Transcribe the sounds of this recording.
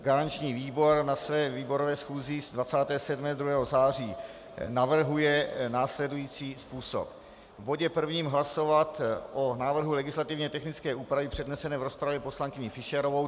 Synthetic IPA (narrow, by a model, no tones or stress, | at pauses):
ɡaɾant͡ʃɲiːviːbo̞ɾnasvɛːviːbo̞ɾovɛːsxuːzɪzdvat͡saːt̪ɛːsɛdmɛːd̪ɾuɦɛːɦo̞zaːr̝iː | navr̩ɦujɛnaːslɛdujiːt͡siːspuːso̰p | vboɟɛpr̩vɲiːmɦlaso̞vat̪ʔonaːvr̩ɦulɛɡɪslat̪ɪvɲɛt̪ɛxnɪt͡skɛːʔuːpɾavɪpr̝̥ɛdnɛsɛnɛːvɾospɾavjɛpo̞slaŋkɪɲɪfɪʃɛɾo̞vo̞w